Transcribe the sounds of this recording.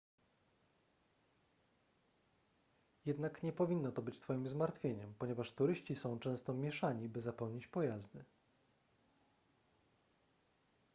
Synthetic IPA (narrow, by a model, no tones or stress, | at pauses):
jɛd̪nakɲɛpɔvʲinːɔt̪ɔbɘt͡ɕt̪fɔjimzmaɾt̪fʲjeɲɛmpɔɲɛvaʂt̪uɾɘɕt͡ɕisɔ̃w̃t͡ʂɛ̃w̃st̪ɔmʲjɛʂaɲibɘzapɛwɲit͡ɕpɔjazd̪ɘ